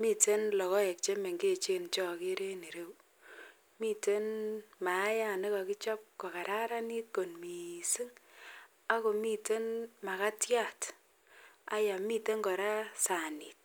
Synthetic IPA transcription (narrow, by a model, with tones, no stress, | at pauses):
mi˦˨te˦nlɔ˨kɔ˦jɛ˨k̚t͡ʃe˦me˨ŋɡe˦˨t͡ʃe˨nt͡ʃɔ˦ke˦ɾe˦ne˨ɾe˦w | mi˦˨te˦nma˨˦ja˨nɪ˦ka˨ki˦t͡ʃɔ˦p̚kɔ˨ka˨ɾa˦ɾa˦ni˦t̚ko˨nmi˨si˦ŋ | a˦ko˨mi˦te˦nma˨ka˦tja˦˨t | a̰˦ja˨mi˦te˦ŋɡɔ˨ɾa˦sa˨ni˨t̚